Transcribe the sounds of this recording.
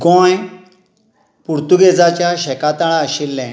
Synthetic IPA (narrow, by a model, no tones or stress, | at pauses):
ɡõj | puɾt̪uɡed͡zat͡ɕjaɕɛkat̪aɭaəɕilːɛ̃